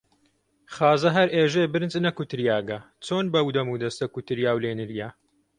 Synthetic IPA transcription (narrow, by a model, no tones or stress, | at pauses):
χaːzɐɦɐɾʔeːʒeːbɨɾɨnt͡sʼnɐkut̪ɨɾjaːɡɐ | t͡soːnbɐwd̪ɐmuːd̪ɐst̪ɐkut̪ɨɾjaːwleːnɨɾjaː